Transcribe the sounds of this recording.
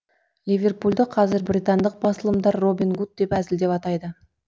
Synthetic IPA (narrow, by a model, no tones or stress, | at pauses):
lʲivʲe̞rpulʲˠd̪əqʰɑzɪɾbɾʲijt̪and̪əq̚bɑsəlˠəmd̪ɑɾːo̞binɡut̪̚d̪e̞pæzɪld̪e̞pɑt̪ɑjd̪ə